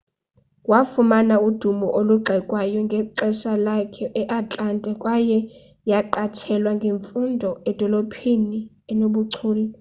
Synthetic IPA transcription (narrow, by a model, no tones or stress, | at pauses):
wafumanaud̥ʱumɔʔoluɡ͡ǃʱɛkʼwajɔŋɡʱɛǃɛʃalakʰɛʔɛʔat͡ɬʼantʼɛkʼwajɛ | jaǃatʰɛlwaŋɡʱeɱfundʱɔɛd̥ʱɔlopʰini | ɛnoɓuǀʰuːlɛ